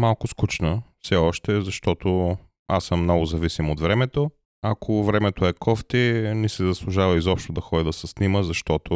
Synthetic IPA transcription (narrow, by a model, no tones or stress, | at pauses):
malˠkʊskut͡ʃnəfsɛɔʃt̪ɛzɐʃt̪ɔt̪o | asəmːnɔɡʊzɐvisimod̪vɾɛmɛt̪o | akʰovɾɛmɛt̪oɛkɔft̪inisɛzɐslˠʊʒavɐizɔpʃt̪od̪ɐxɔd̪ʲid̪ɐsɛsniməzɐʃt̪ɔt̪o